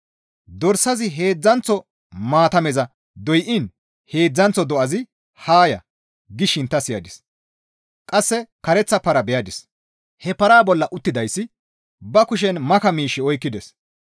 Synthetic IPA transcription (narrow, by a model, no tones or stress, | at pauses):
d̪ɔɾsːɐzɪɦe̞ːd͡zːɐnt͡sɔ | maːt̪ɐmɛzɐ | d̪ɔjʔɪn | he̞ːd͡zːɐnt͡sːɔd̪ɔʔɐzɪ | haːjɐ̰ | ɡɪʃɪnt̪ːɐsɪjɐd̪ɪs | kʼɐsːɛkɐɾɛt͡sːɐpːɐɾɐbɛjɐd̪ɪs | hɛpɐɾaːbɔlːɐʔʊt̪ːɪd̪ɐjsːɪ | bɐkʊʃ̬ɛnmɐkɐmiːʃːɪɔjkːɪd̪ɛs